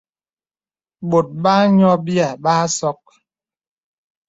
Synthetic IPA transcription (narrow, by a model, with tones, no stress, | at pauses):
ɓo˨t̚ba˦ɲɔ˦bi˦a˨ɓaː˦sɔ˦k̚